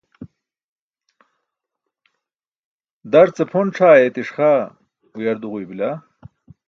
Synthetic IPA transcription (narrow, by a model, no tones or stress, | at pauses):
d̪ɐɾt͡sepʰonʈ͡ʂʰaːet̪iʂχa | ujɐɾd̪uʁujbila